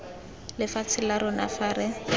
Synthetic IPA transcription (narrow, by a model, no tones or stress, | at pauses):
lɪfat͡sʰɪlaɾʊna̰faːɾɪ